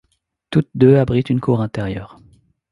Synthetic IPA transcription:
t̪ut̪̚d̪øabʁit̪ynkʰuʁɛ̃t̪ɛʁjœːʁ

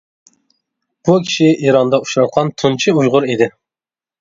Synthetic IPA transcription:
b̥ukʲʰi̥ʃiʔiɾɑnd̪ɑu̥ʃɾɑt̪̚qʰɑnt̪ʰunt͡ʃʰiujʁʊɾid̪ɪ

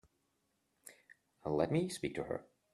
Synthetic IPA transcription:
lɛt̚mispik̚tʰɨhə̰˞

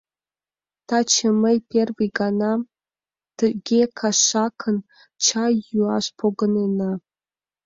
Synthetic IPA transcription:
tʰat͡ʃʰəmɐjpʰerviɡana | d̥ɨɡʲekʰaʃakʰən | t͡ʃʰajuaɕʷpʰoɡɨnena

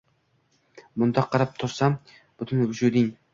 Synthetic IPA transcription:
bʊnd̪ɑqʰːɑɾɑp̚t̪ʰʊɾsam | b̥ʊt̪ʰʊnvʊd͡ʒud̪ɪŋ

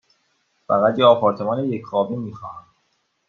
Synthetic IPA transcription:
fæɣæt̪jeɒːpʰɒːɾt̪ʰemɒːnejecʰχɒːbiːmiːxɒːhæm

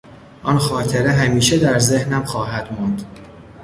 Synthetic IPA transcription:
ʔɒːnxɒːt̪ʰeɾeɦæmiːʃed̪æɾzehnæmxɒːɦæd̪̥mɒnd̪̥

